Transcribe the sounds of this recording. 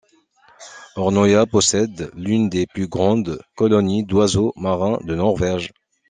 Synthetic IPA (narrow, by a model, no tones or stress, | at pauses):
ɔʁnɔjapɔsɛd̪lynd̪eplyɡʁɑ̃d̪kɔlɔnid̪wazomaʁɛ̃d̪ənɔʁvɛʒ